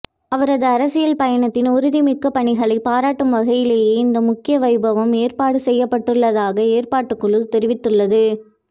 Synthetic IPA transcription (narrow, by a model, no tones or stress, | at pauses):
ɐʋɐɾɐðɯɐɾɐsɪjɐlpɐjɐɳɐt̪ːɪnʊɾʊðimɪkːɐpːɐɳɪɣɐɭɐɪpːaːɾaːʈːɯmʋɐɣɐjɪleːjeːɪnd̪ɐmʊkːɪjɐʋɐɪbɐʋɐmeːɾpaːɽɯsɛjːɐpːɐʈːɯɭːɐðaːɣɐeːrpaːʈːɯkːɯɭɯlt̪ɛɾɪʋɪt̪ːɯɭːɐðɯ